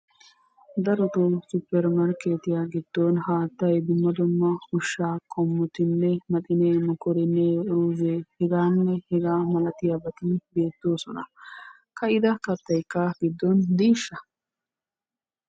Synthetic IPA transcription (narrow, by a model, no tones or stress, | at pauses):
d̪ɐɾɔt̪osʊpːɛɾmɐɾkeːt̪ɪjaɡɪd̪̥ːɔnhaːt̪ːɐjd̪ʊmːɐd̪ʊmːɐʊʃːaːkʰɔmːɔt̪ɪnːɛmɐt̪ɪnemɔkɔɾɛnːeɾuːzeːhɛɡaːnːɛhɛɡaːmɐlɐt̪ɪjabɐt̪ɪnbe̞ːt̪ːo̞ːsɔnɐ̰ | kɐɪd̪ɐkɐt̪ːɐjkːaɡ̥ɪd̪ːɔnd̪iːʃːɐ